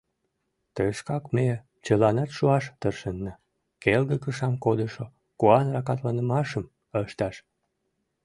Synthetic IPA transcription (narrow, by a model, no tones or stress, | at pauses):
t̪əʃkɑkme | t͡ɕəlɑnɑt̪ʃuɑʃt̪ərʃənːə | kelɡ̪əkəʃɑmkod̪əʃo | kuɑnrɑkɑt̪lɑnəmɑʃəm | əʃt̪ɑʃ